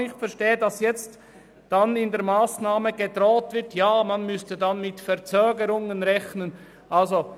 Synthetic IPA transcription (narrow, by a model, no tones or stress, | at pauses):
ɪçtfɛɐɾʃteːədɑsjɛt͡st | d̥anɪndeːɐɾmaːsnaːməɡədʁɔːtv̥ɪɾtjaːmanmʏstədanmɪtfɛʁt͡søːɡəɾʊŋənʁɛçnən | ʔɑlzo